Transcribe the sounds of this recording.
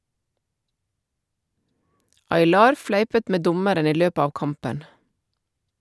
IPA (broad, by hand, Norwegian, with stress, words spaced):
ɑɪˈlɑːɾ ˈflæɪpət ˈmeː ˈdʊməɾən ˈiː ˈløːpə ˈɑːʋ ˈkɑmpən